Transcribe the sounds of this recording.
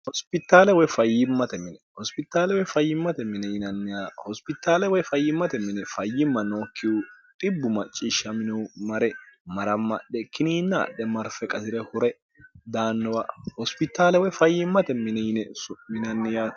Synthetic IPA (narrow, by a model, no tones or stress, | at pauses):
hɔspɪt̪ːaːlɛwɔjfɐjːɪmːɐt̪ɛmɪnɛhɔspɪt̪ːaːlɛwɔjfɐjːɪmːɐt̪ɛmɪnɛjɪnɐnːɪjaːhɔspɪt̪ːaːlɛwɔjfɐjːɪmːɐt̪ɛmɪnɛfɐjːɪmːɐnoːkʰːɪwʊt̪ʼɪbːʊmɐt͡ʃʼːiʃːɐmɪnumɐɾɛmɐɾɐmːɐ̰ɗːɛkɪniːnːɐ̰ːɗːɛmɐɾfɛkʼɐsɪɾɛhʊɾɛ | d̪aːnːɔwahɔspɪt̪ːaːlɛwɔjfɐjːɪmːɐt̪ɛmɪnɛjɪnɛsʊmɪnɐnːɪjaː